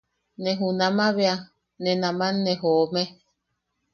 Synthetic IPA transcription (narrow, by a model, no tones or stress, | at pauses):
neɦunãmãβea | nenãmãnːẽɦoːme